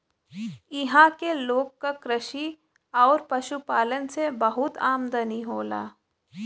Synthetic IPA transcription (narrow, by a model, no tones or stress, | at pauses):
ɪɦãkeloːɡkakɾɪʃi | ɔːɾpɐʃupaːlənsebɐɦʊt̪aːmd̪əniɦoːla̰ː